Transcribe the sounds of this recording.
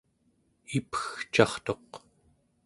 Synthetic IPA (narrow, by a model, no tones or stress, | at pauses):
ipxt͡ʃɑχt̪o̞q